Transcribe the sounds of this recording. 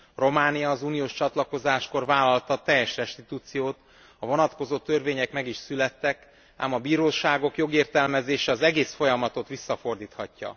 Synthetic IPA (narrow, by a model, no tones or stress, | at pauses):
ro̞maːnijɒːzuːnijoːʃt͡ʃɒt̪lɒko̞zaːʃko̞rvaːlɒlt̪ɒt̪ɛjɛʃrɛʃt̪it̪uːt̪sijoːt̪ | ɒvo̞nɒt̪ko̞zoːt̪ø̞rveːɲɛkmɛɡiʃsylɛt̪ːɛk | a̰ːmɒbiːɾoːʃaːɡo̞kjo̞ɡeːrt̪ɛlmɛzeːʃɛɒzɛɡeːsfo̞jɒmɒt̪o̞t̪ʋisːɒfo̞rd̪iːt̪hɒcːɒ̰